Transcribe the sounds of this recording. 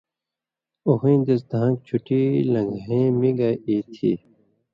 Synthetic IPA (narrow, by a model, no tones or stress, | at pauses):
oɦĩːd̪esd̪ʱãːŋk̚t͡ɕʰuʈilɐ̃ŋɡẽːmiɡaiːt̪ʰiː